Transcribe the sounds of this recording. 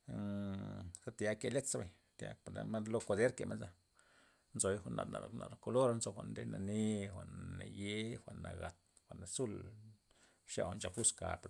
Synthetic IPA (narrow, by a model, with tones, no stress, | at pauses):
sa˦t̪ja˨˦ke˧le˦t̪sa˦ba˨ɲ | t̪ja̰˧˦˨a̰˧ma˦d̪lo˦ko˧d̪e˦ɾke˨me˦nsa˧ | nzo˨jxʷa˧˨ʔna̰˨na̰˨lna̰˨lo˨ko˧lo˦ɾnzo˧xʷa̰˧˨ʔnd̪e˦na˨ni˦xʷa˨ʔnːa˨je˦xʷa˨ʔnːa˨ɡa˨t̪ | xʷa˨ʔna˨su˦˨l | ʃja̰˧˨wnt͡ʃa˨pu˦ska̰˨p